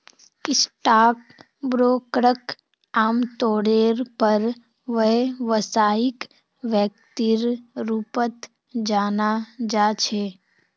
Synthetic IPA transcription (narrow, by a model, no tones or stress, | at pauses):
kɪsʈaːk̚ | bɾoːkɾək | aːmt̪oːɽeːɾpəɾ | ʋəɦʋəsaːɪk | ʋjək̚t̪iɾɾupət̪ | d͡ʒaːnad͡ʒaːt͡ʃʰeː